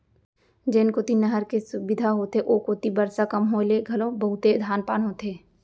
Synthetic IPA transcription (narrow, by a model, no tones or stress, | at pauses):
d͡ʒeːnkoːt̪inəɦəɾkesʊbɪd̪ʱaɦoːt̪eʔoːkoːt̪ibəɾsakəmɦoleɡʱɐlõbəɦʊt̪ed̪ʱaːnpaːnɦoːt̪ʰeː